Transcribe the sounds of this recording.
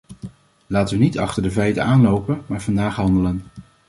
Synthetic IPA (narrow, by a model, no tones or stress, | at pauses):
laːtəʋənitɑχtəɹdəvɛjtəaːnlowpənmaːɹv̥ɑndaːχɦɑndələn